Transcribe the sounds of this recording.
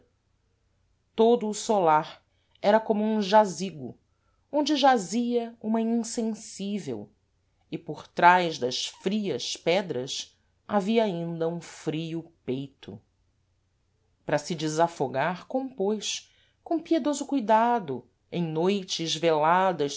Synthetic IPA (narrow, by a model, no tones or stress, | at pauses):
t̪od̪ʊːsolaɾ | ɛɾɐkõmʊũʒaziɡʊ̰ | õnd͡ʒɪʒaziɐũmɐĩŋsẽsivḛw | ɪpoɾt̪ɾajʒd̪ɐʃfɾiɐspɛd̪ɾɐs | aviɐaĩnd̪ɐũfɾiʊpejt̪ʰʊ̰ | pɾɐsɪd͡ʒɪzafoɡaɾkõpojʃ | kõpied̪ozʊkujd̪ad̪ʊ | ẽj̃nojt͡ʃɪzvelad̪ɐʃ